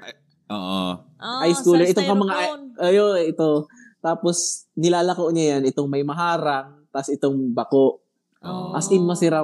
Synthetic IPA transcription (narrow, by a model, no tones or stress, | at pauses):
ʔoʔo | ʔajskuːlɛɾɪt̪oŋkɐmɐŋaʔʔjoʔɪt̪o | t̪aːposnɪlaːlɐkoʔɲajanʔɪt̪oŋmɐjmɐɦaːɾaŋ | t̪asɪt̪o̞ŋbɐkoʔ | ʔɐsʔɪnmɐsɪɾa